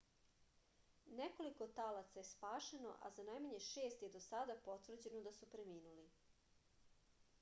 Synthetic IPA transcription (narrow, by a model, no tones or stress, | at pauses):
neko̞likot̪alat̪sajespaːʃeno̞̰ʔa̰zanajmaɲe̞ʃe̞ːst̪jed̪o̞sad̪apo̞t̪ʋr̩d͡ʑe̞nod̪asupɾemiːnuli